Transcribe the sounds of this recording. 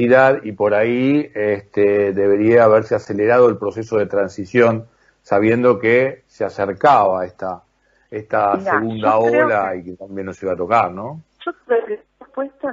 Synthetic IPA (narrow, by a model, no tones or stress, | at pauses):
iðaðipo̞ɾaiest̪eðe̞βe̞ɾiaːβeɾsease̞leɾað̞o̞elpɾo̞se̞so̞ð̞e̞t̪ɾansisjo̞n | saβje̞nd̪o̞keseaseɾkaβaeht̪a | est̪aseɣund̪aolaikeambjenːosiβat̪o̞kaɾnõ̞ | ʒoe | opwest̪o